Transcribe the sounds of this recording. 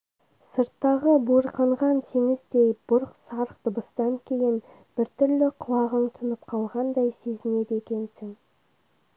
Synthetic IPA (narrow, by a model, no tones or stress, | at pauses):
səɾt̪ːɑʁəbuɾqəɴʁɑnt̪ʰeŋɪzd̪e̞jbʊɾqsɑɾq̚d̪̥əbəst̪ɑŋkʲʰe̞jɪn | b̥ɪɾt̪ʰʏɾlɪqʰʊlˠɑʁəɴt̪ʰʊnəp̚qʰɑlˠʁɑnd̪ɑjse̞zɪne̞d̪e̞kʲe̞nsɪŋ